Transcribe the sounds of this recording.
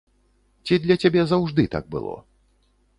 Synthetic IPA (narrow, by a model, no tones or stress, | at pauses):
t͡sʲid̪lʲɐt͡sʲabʲɛzawʐd̪ɨt̪a̰ɡ̚bɨ̰lˠɔ̰